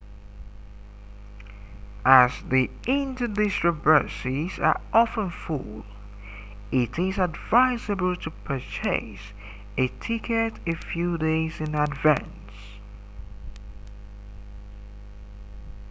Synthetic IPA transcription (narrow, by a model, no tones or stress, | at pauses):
ʔəzði | ɪ̃ntədɪstɹəvɜ˞sizə̰˞ʔɑfə̃nfṵlˠ | ɪɾɪzədvaɪzɨbəl̩ˠtʰəpʰət͡ʃʰeɪs | ɨtʰɪkʰɨɾɨfjudeɪzɨ̃nədvæ̰̃n | s